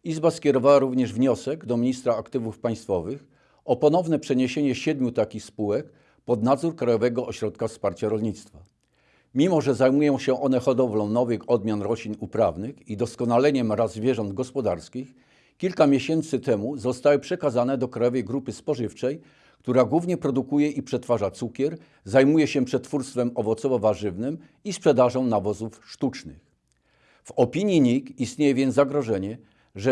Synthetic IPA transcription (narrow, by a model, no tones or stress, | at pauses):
izbaskʲɛɾɔvawaɾuvɲɛʐvɲɔsɛɡd̪ɔmʲiɲist̪ɾaːkt̪ɘvufpaj̃st̪fɔvɘx | ɔpɔn̪ɔvnɛpʂɛɲeɕeɲɛɕɛd̪mʲjut̪akʲixspuwɛk | pɔd̪nad̪zuɾkɾajɔvɛɡɔʔɔɕɾɔt̪kafspaɾt͡ɕaɾɔlɲit̪st̪fa | mʲimɔʐɛzajmujɔ̃w̃ɕɛʔɔnɛxɔd̪ɔvlɔ̃w̃nɔvɘxɔd̪mʲjanɾɔɕlʲinupɾavnɘxid̪ɔskɔnalɛɲɛmɾazːvʲjɛʐɔnd̪ɡɔspɔd̪aɾskʲix | kʲilkamʲjeɕɛnt̪sɘt̪ɛmuzɔst̪awɘpʂɛkazanɛd̪ɔkɾajɔvɛjɡɾupɘspɔʐɘft͡ʂɛj | kt̪uɾaɡwuvɲɛpɾɔd̪ukujɛʔipʂɛt̪faʐat̪sukʲɛɾ | zajmujɛɕɛpʂɛt̪fuɾst̪fɛmɔvɔt̪sɔvɔvaʐɘvnɘm | ispʂɛd̪aʐɔ̃w̃navɔzufʂt̪ut͡ʂnɘ̰x | v̥ɔpʲiɲjiɲikist̪ɲejɛvʲjɛnzaɡɾɔʐɛɲɛ | ʐɛ